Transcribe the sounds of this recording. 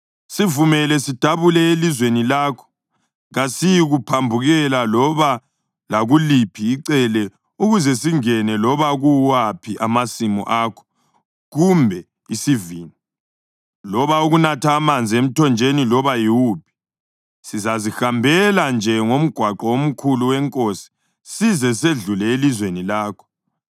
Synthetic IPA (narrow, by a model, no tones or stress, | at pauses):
sivumɛlɛsid̥ʱaβulɛelizwenilaːkʰɔ̥ | ɣasijɣupʰambʱuɣɛlalɔβa | laɣulipʰiːǀɛlɛ | uɣuzɛsiŋɛnɛlɔβaɣuwapʰiʔamasimɔ̰ʔaːkʰɔ̥ | ɣumbʱɛ | isiviːni | lɔβauɣunatʰaːmand͡zʱiem̩tʰɔnd͡ʒʱenilɔβajiwup̚ʰi̥ | sizazixambʱɛland͡ʒʱɛŋom̩ɡ̥ʱwaǃɔom̩kʰuluwɛŋkʼosi̥ | sizɛs̬eɮulɛelizwenilaːkʰɔ̥